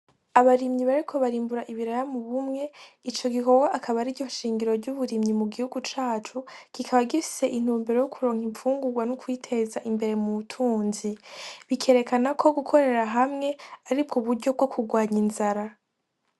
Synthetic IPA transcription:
aβaɾimɲiβaɾikʰo̞βaɾiːmbuɾaʔiβiɾajamuβumŋe̞it͡ʃo̞ɡiko̞ɡwaʔakʰaβaɾiɟo̞ʃiːŋɡiɾo̞ɾɟuβuɾimɲimuɡihuɡut͡ʃaːt͡ʃukikʰaβaɡifi̥se̞ʔin̥huːmbeɾo̞jokʰuɾo̞ːŋiɱfuːŋɡuɡwanukwiːtʰe̞zaʔimbe̞ɾe̞muβutʰuːnziβikʰe̞ːɾe̞kanakʰo̞ɡukʰo̞ɾe̞ɾaɦamŋe̞aɾibɡoβuɾɟo̞b̚ɡo̞kʰuɡwaːɲinzaɾa

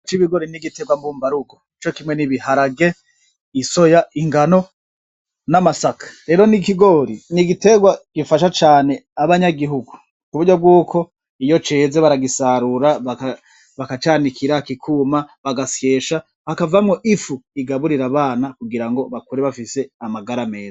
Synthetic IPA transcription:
t͡ʃiβiɡo̞ɾiniɡite̞ɡwambuːmbaɾuɡoit͡ʃo̞kimweniβihaɾaɡe̞ | iso̞jaiŋɡano̞ | namasakḁɾe̞ɾo̞nikiɡo̞ɾiniɡite̞ɡwaɡ̥ifaʃat͡ʃaːne̞aβaɲaɡiɦuɡu | kuβuɾɟo̞b̚ɡuːkʰo̞ | ijo̞t͡ʃe̞ːzeβaɾaɡisaɾuɾaβaka | βakat͡ʃaːnikʰiɾakikʰumaβaɡasje̞ːʃa | hakavamŋo̞ʔifuiɡaβuɾiɾaβaːnakuɡiɾaŋɡo̞βakuɾeβafise̞amaɡaɾame̞ːza

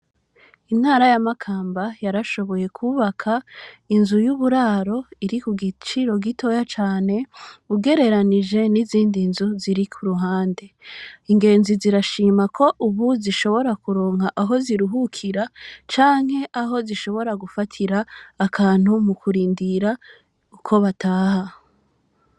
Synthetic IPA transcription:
in̥haːɾajamakʰaːmbajaɾaʃo̞βo̞je̞kʰuːβakʰainzujuβuɾaːɾo̞iɾikuɡit͡ʃiɾo̞ɡitʰo̞jat͡ʃaːne̞uɡe̞ɾe̞ɾaniʒe̞niziːndinzuziɾikʰuɾuɦaːnde̞iŋɡe̞ːnziziɾaʃiːmakʰo̞ʔuβuziʃo̞βo̞ɾakuɾo̞ːŋhaʔaɦo̞ziɾuɦukʰiɾat͡ʃaːŋ̥he̞ʔaɦo̞ziʃo̞βo̞ɾaɡufatʰiɾaːkʰaːn̥humukʰuɾiːndiɾa | ukʰo̞βataːha

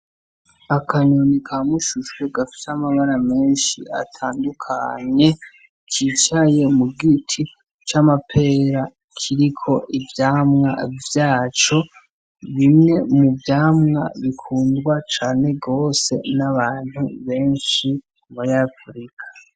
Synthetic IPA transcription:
akʰaɲonikʰamuʃuʃweɡafi̥samaβaɾame̞ːnʃḭa̰tʰaːndukʰa̰ɲe̞ | kʰit͡ʃaje̞muɡitʰi | t͡ʃamapʰe̞ɾa | kʰiɾikʰo̞ʔivjaːmŋa̰vjaːt͡ʃo̞ | βimŋe̞muvjaːmŋa̰βikʰuːndɡwat͡ʃaːne̞ɡo̞ːse̞naβaːn̥huβe̞ːnʃi | muɾiafɾikʰḁ

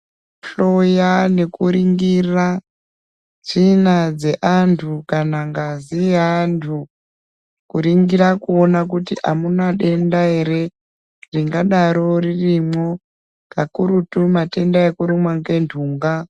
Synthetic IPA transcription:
ɬojane̞kuɾiŋɡira | d͡zinad͡ze̞ʔantʰukanaŋɡaziantʰu | kuɾiŋɡiɾakuonak̬utiʔamunaɗe̞ndaɦe̞ɾe̞ | riŋɡaɗaɾo̞ririmwo | kakuɾutumate̞ndaekuɾumwaŋɡe̞ntʰuːŋɡa

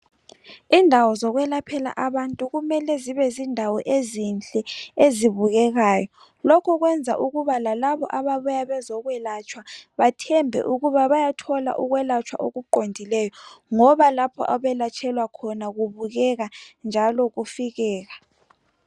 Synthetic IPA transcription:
indʱawɔzɔɣwɛlapʰɛla̰ʔaβantʼuɣumɛlɛziβɛzindʱawɔʔezint͡ɬʼɛeziβuɣɛɣaːjɔ | lɔkʰɔɣwɛnd͡zʱa̰ʔuɣuβalalaβɔʔaβaβujaβɛzɔɣwɛlat͡ʃʰʼwaβatʰɛmbʱɛ̰ʔuɣuβaβajatʰɔla̰ʔuɣwɛlat͡ʃʰwa̰ʔoɣuǃondʱilɛjɔŋɔβalapʰɔ̰ʔaβɛlat͡ʃʼʰɛlwakʰɔnaɣuβuɣɛɣand͡ʒʱalɔɣufiɣɛːɣa

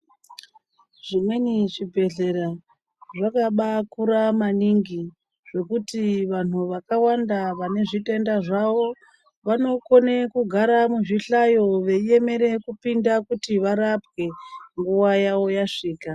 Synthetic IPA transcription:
ʐ̥imwenit͡ʃibʱe̞ɮe̞ɾa | ʐakaɓakuɾamaniŋɡi | ʐe̞kutiʋan̤uʋakawandaʋane̞ʐite̞ndaʐaʋo̞ | ʋano̞ko̞nekuɡʱaɾamuʐiɬajo̞ʋe̞ie̞me̞ɾe̞kupindakutiʋaɾapwe̞ŋɡuwajawo̞jaʂiːka

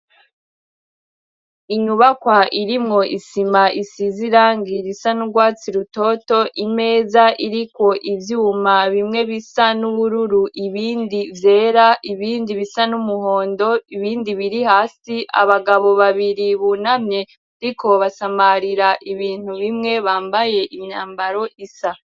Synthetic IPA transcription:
iɲuβakwaʔiɾimŋo̞ʔisimaʔisiziɾaːŋɡiɾisanuɾɡwaːt͡siɾuto̞to̞ʔime̞ːzaʔiɾikwo̞ʔivjumaβimŋe̞βisanuβuɾuɾuʔiβiːndivje̞ːɾaʔiβiːndiβisanumuɦo̞ːndo̞iβiːndiβiɾihaːsiʔa̰βaɡaβo̞βaβiɾiβunamɲe̞ | ɾikʰo̞βasamaɾiɾaʔiβiːn̥huβimŋe̞βaːmbaje̞ʔimɲaːmbaɾo̞ʔisa

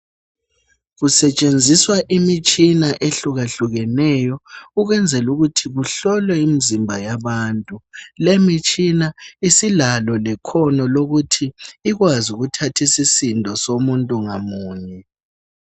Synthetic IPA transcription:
ɣusɛt͡ʃʼend͡zʱiswaʔimit͡ʃʼinaʔeɬuɣaɬuɣɛnɛjɔuɣwɛnd͡zʱɛluɣutʰiɣuɬɔlwɛimizimbʱajaβaːntʼulemit͡ʃʼinaisilalɔlɛkʰɔnɔloɣutʰiːɣwazuɣutʰatʰisisindʱɔsomuntʼuŋamuːɲɛ

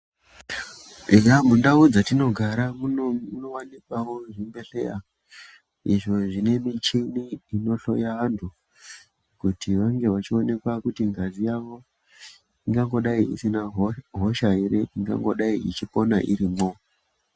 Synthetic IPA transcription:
iɡamundaud͡zatino̞ɡʱaɾamumuno̞wanikwawo̞ʐimbe̞ɬe̞a | iʐo̞ʐine̞mit͡ʃiniːno̞ɬo̞̰jaɦantʰu | kutʰiʋaŋɡe̞ʋat͡ʃio̞ne̞kwakutiŋɡazijaʋo̞ | iŋɡaŋɡo̞ɗaiḭsinaɦɦo̞ʃaiɾeʔiŋɡa̰ŋɡo̞ɗaiʔit͡ʃipo̞naʔḭɾimo

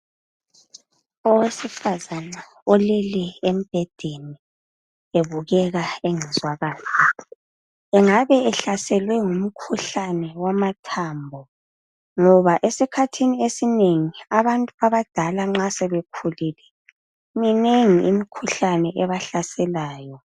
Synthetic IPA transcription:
ɔwesifazana | ɔleliem̩b̥ʱɛd̥ʱeni | eβuɣɛɣaeŋɛzwaɣaːza | ɛŋaβɛɛɬasɛlwɛŋum̩kʰuɬanɛwamatʰaːmbʱɔ | ŋɔβaʔesikʰatʰiniesineŋiaβantʼuaβad̥ʱalaŋ͡ǁasɛβekʰulilɛ | mineŋiʔḭmikʰuɬanɛʔɛβaɬasɛlaːjɔ

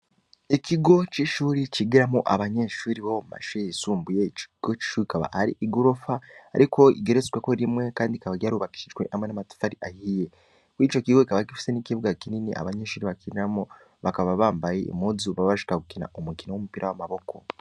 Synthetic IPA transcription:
eciɡo̞ciʃuːɾiciɡiɾamoʔaβaɲeːʃuːɾiβomuma̰ʃeesuːmbujeciɡ̥ot͡ʃi̥ʃuːɾikaβa̰haɾḭʔiɡoɾofaːɾikʰo̞ḭɡeɾezkweko̞ɾimwe̞kaːndikaβaɟaːɾuβaki̥ʃiʒɡwe̞ʔamwenamatu̥faɾiʔahije̞ | kwiːt͡ʃo̞ciɡo̞ikaβakifi̥se̞niciβuɡakininiʔa̰βaɲe̞ːʃuːɾiβakiɾiɾamo | βakaβaβaːmbajḛːmuzuβaβaʃi̥kaɡukina̰omukinawomupiːɾawamaβo̞ko̞̰

